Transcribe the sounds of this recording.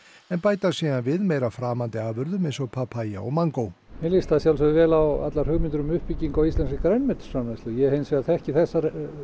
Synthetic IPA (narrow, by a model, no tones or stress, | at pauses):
ɛnpaːjt̪asiːðanvɪðmɛjɾafɾaːmant̪ɪaːvʏɾðʏmejnsɔɣpʰapʰaːja̰ɔ̰ɣmaŋkow | mɪlist̪aðsjawlsɛðvɛːlawa̰t̪laɾ̥hʏɣmɪnt̪ʏɾʏmʏhpiciŋkawist̪lɛnscɪkɾɛnːmɛt̪ʏ̥sanɛst̪ɪjɛhejnsvɛɣaθɛhcɪθɛsːaɾ